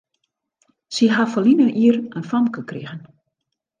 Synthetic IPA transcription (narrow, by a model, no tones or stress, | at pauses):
siɦafɔlinənʔiərənfɔmkəkrḭɣən